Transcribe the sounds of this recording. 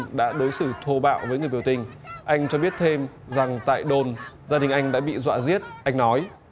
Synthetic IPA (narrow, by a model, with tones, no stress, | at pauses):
ɗa̰ː˧˥ɗo˨˦jsɨ˧˩t̪ʰo˧ɓa̰ː˧˨wvəː˨˦jŋɨ˨˩əjɓə˩wt̪ï˨˩ŋ̟ʔa˧jŋ̟t͡ɕɔ˧ɓi˦˥ət̚t̪ʰe˧m | za˨˩ŋt̪a̰ː˧˨jɗo˨˩nzaː˧ɗï˨˩ŋ̟ʔa˧jŋ̟ɗa̰ː˧˥ɓḭ˧˨zwa̰ː˧˨zi˦˥ət̚ʔa˧jŋ̟nɔ˨˦j